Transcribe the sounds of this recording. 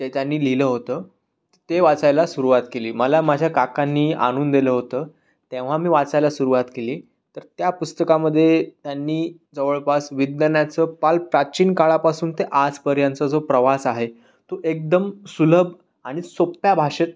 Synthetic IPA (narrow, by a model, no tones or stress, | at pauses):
d͡ʑet̪janːiːliləɦot̪əː | t̪eʋat͡sajlasuɾuʋat̪keliːməlamad͡ʑʱjakakanːiːa̰ɽ̃uːnd̪iləːɦot̪əː | t̪ẽʋ̤amiːʋat͡sajlasuɾuʋat̪keliː | t̪əɾt̪japust̪əkaməd̪ʱːjet̪janːiːd͡zəʋəɭpasʋid̪nənjat͡səpalpɾat͡ɕiːnkaɭapasuːnt̪eʔad͡zpəɾjãnt͡səd͡zopɾəʋasaɦe | t̪oʔek̚d̪əmsuləbʱ | aɽ̃isopjabʱaʂet̪̚